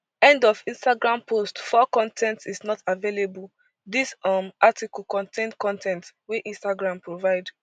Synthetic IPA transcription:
ɛ̃ndɔfĩnstaɡɹãmpʰostfɔkɔ̃ntʰɛ̃ntsisnɔtavelebul | dismatikɔlkɔ̃ntẽnkɔ̃ntʰɛ̃ntwiʔĩnstaɡɹãmpɹovaɪd

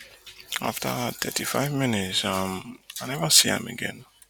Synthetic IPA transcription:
a̰ftatʰɛ̰tifajvmĩnitsamanɛvəsiã̰mɛ̰ɡɛ̰̃n

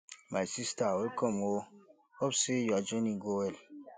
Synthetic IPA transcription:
majsistawekɔmwo | ɔbsejad͡ʒoniɡowel

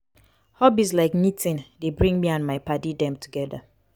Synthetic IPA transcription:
hɔbis̬laɪknitʰĩndebɹĩŋmiãnmaɪpadidɛ̃mtʰuɡɛða̰

